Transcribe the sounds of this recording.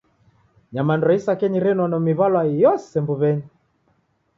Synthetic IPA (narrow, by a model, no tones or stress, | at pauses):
ɲamandɾɔisakɛɲiɾɛnwanɔmiβalwajɔsɛmbuβɛɲi